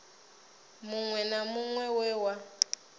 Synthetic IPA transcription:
muŋwɛnamuŋwɛwɛwa

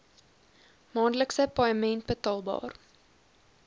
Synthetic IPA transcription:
mɑːndləksəpɑəmɛnt̚bətɑːlˠbɑ̰ːr

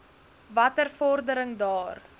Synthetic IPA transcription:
vɐtərfɔrdəɾəŋdɑːr

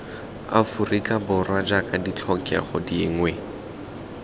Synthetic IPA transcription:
a̰furikʼabʊrwad͡ʒakʼadit͡ɬʰɔkʼɛχɔdiːŋwɛ

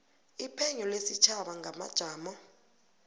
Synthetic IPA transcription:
ipʰɛɲɔlesit͡ʃʰaɓaŋʱama̰d̥ʒ̥ʱaːmɔ

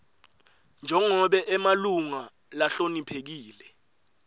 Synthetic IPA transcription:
nd͡ʒʱɛŋɔɓɛʔɛmaluŋa | laɬonipʰek̬iːlɛ

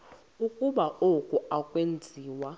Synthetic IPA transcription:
ukʼuɓaʔokʼuakʼwend͡zʱiːwa

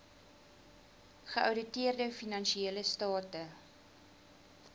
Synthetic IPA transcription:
χəʔɐwdətiərdəfinɐnʃieːləstɑːtə

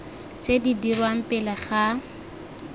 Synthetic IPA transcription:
t͡sʼedidirwam̩pʼɪlaχa

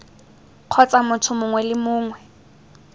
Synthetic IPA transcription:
q͡χʰɔt͡samʊtʰʊmʊŋwɛlɪmʊːŋwɛ

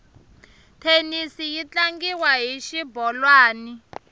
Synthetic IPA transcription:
tʰenisijit͡ɬaŋɡiwaɦiʃibɔlwaːni

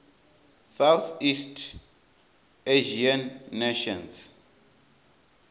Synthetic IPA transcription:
sawθistʰ | eʒianːeʃɔns

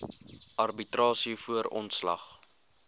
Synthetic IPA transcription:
ʔɐrbitrɑːsifuəɾɔ̰ntslɐ̰χ

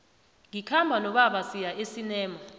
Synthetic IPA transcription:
ŋikʰambʱanɔɓaɓasijaʔesinɛːma

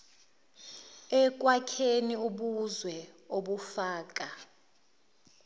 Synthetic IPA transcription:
ɛk̬ʼwakʰeniuɓuzwɛoɓufaːk̬ʼa

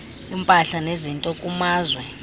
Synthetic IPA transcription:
impʼaɬanezintʼɔkʼumaːzwɛ

